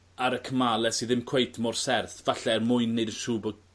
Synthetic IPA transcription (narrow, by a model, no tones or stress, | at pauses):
aɾəkʰəmalˠɛsiðɪmkʰw̥ejtʰmɔrsɛrθvaɬɛrmʊɨnːeɨdənʃuːbɔ